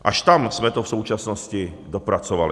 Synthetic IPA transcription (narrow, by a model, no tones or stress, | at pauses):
ʔaʃt̪amsmɛt̪ofsuːt͡ʃasnoscɪ | dopɾat͡soval